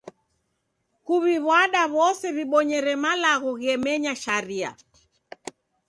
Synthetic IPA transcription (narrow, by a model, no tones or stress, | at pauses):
kuβiβwaɗaβɔsɛβiɓɔɲɛɾɛmalaɣuɣɛmɛɲaʃaɾia̰